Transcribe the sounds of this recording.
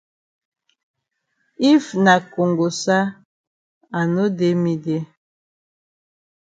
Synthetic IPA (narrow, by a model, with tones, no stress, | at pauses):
i˦fna˨ko˨ŋɡo˨sa˦ | a˨no˦de˦mi˨de˦